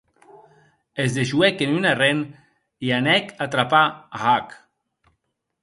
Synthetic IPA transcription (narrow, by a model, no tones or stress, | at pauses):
ezðeʒuɛkenynaren | ianɛkat̪ɾapaaɣak